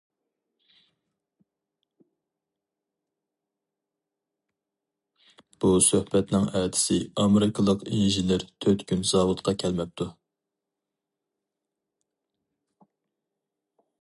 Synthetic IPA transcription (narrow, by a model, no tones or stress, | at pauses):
b̥usøhbɛt̪nɪŋɛːd̪ʰɪ̥sɪɑmeɾɪkʰɨlˠəqinʒineɾt̪ʰøt̪kʲynz̥ɑːwut̪qʰɑkʲʰɛlmɛp̚t̪ʰu